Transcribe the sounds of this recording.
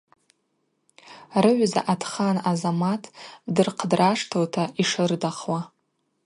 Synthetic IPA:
rɨʕʷza̰ʔatʰχanazamatʰdɨrqʰdraʂtʰowtʰaʔiʂɨrdaχwa

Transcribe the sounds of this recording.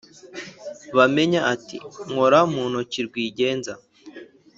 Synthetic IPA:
βame̞ɲaʔatḭŋoɾamuːnhuciɾɡwiːɟe̞ːnza

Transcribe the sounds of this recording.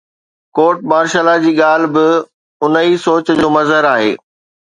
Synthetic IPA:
koːʈ̚maːɾʃalad͡ʑiːɠaːl̤ɪ̆bɪ | ʊnəisoːt͡ɕd͡ʑoːmɐzɦəɾaːɦḛː

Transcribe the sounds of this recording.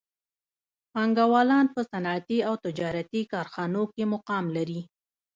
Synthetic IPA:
pɑŋɡawɑlɑnpəsanɑat̪iawt̪ɪd͡ʒɑɾat̪ikɑɾxɑnokemʊqɑmlaɾi

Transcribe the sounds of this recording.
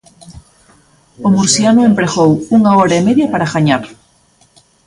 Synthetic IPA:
omuɾsjanʊempɾeɣowuŋaɔɾaemeðjapaɾaɣaɲaɾ

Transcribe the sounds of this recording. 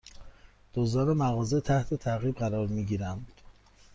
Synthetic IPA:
d̪̥ozɒːnemæɣɒːzet̪ʰæht̪ʰe̞t̪ʰæɣiːbɢæɾɒːɾmiːɟiːɾænd̪̥

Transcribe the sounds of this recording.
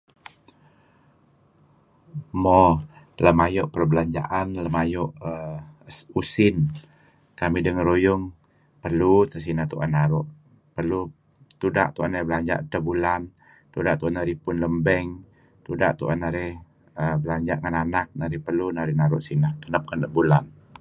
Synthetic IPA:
mɔ | ləmajɔʔpərbəlaɲd͡ʒa̰ʔanləmajɔʔə | usɪn | kamidəŋəɾojʊŋ | pərlut̪əsinat̪uʔa̰nːaɾʊʔ | pərlu | t̪uda̰ʔt̪uʔanaɾibəlaɲd͡ʒa̰ʔt̪əbulan | t̪udaʔt̪uanaɾipʊnləmbɛŋ | t̪uda̰ʔt̪uʔanaɾɛh | əbəlaɲd͡ʒaʔŋananak̚naɾipərlunaɾinaɾʊʔsinahkənap̚kanəbulan

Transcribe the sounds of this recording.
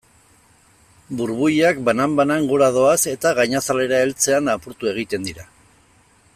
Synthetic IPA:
buɾβujak̚banambanaŋɡoɾað̞o̞ase̞t̪aɣajɲasale̞ɾae̞lt͡se̞anapuɾt̪ue̞ɣ̞it̪e̞nd̪iɾa

